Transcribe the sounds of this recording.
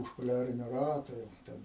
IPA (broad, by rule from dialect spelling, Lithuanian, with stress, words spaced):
ʊʃ poːˈlʲæːrʲɪnʲoː ˈrɑːtoː ˈjɛʊ ˈtʲɛn